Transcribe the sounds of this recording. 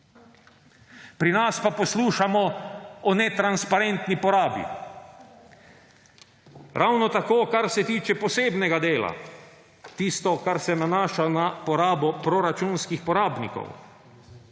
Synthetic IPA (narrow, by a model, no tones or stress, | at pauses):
pɾinaspapɔsluːʃamɔɔnɛt̪ɾanspaɾent̪nipɔɾaːbḭ | ɾʔawnɔt̪akoːkaɾsɛt̪iːt͡ʃɛpɔseːbnɛɡad̪eːla̰ | t̪ist̪ɔkaɾsɛnanaːʃanapɔɾaːbɔpɾɔɾat͡ʃunskixpɔɾaːbnḭkɔ̰w